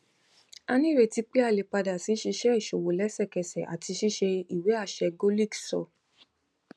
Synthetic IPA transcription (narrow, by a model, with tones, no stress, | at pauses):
a˦˧nĩ˦˨ɾe˧˨ti˧˦k͡pe˦a˧˨le˨k͡pa˧da˨si˨˦ʃi˧ʃɛ˦i˦˨ʃo˨wo˨lɛ˨˦sɛ˦˨kɛ˨sɛ˨ʔa̰˨ti˧ʃi˦ʃe˧i˨we˨˦a˦˨ʃɛ˧ɡo˦li˦ksɔ̰˨